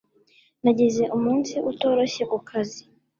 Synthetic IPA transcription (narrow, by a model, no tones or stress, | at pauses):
naɟeze̞ʔumuːnsiʔuto̞ːɾo̞çe̞kukʰazi